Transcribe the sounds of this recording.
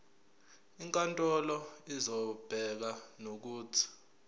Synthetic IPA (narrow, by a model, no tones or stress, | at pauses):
iŋkʼantʼɔlɔizɔb̥ʱɛk̬anok̬uːtʰi̥